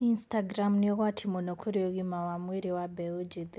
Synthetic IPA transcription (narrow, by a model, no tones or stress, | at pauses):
instaɡɾamniɣwatʰimonokʰoɾioɣimawamweɾiwabeud͡ʒid